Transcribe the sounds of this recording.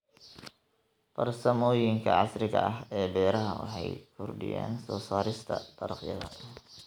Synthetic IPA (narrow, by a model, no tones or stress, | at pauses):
fɐrsɐmɔːjɪŋkʰɐʕɑsrɪɣɐʔɐɦɛːbɛːɾɐɦɐwɑ̰ħɑjkʰʊrɖɪ̰ja̰ːnsɔːsaːɾɪst̪ʰɐd̪ʰɐɾɐqjɐ̰ðɐ̰